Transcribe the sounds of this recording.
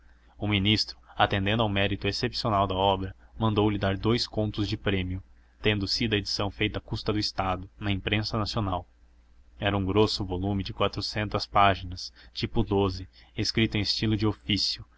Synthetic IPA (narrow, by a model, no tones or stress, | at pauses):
ʊmĩnist̪ɾʊat̪ẽnd̪ẽnd̪awmɛɾit̪ʊesepsionawd̪ɐɔbɾɐmɐ̃nd̪owlɪd̪aɾd̪ojskõnt̪ʊzd͡ʒɪpɾẽmiʊ | t̪ẽnd̪ʊsid̪ɐed͡ʒi̥sɐ̃w̃fejt̪ɐːkust̪ɐd̪ʊɪst̪ad̪ʊnɐẽmpɾẽsɐnasionaw | ɛɾɐũɡɾosʊvolumɪd͡ʒɪkwat̪ɾʊsẽnt̪ɐspaʒinɐst͡ʃipʊd̪ozɪeskɾit̪ʊẽest͡ʃilʊd͡ʒɪofisijʊ